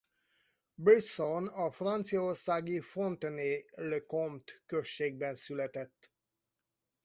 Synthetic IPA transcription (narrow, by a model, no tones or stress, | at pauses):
brisonɒfrɒnt̪sijɒorsaːɡifont̪nelekomt̪køʃːeːɡ̚bɛnsylɛt̪ɛt̪ː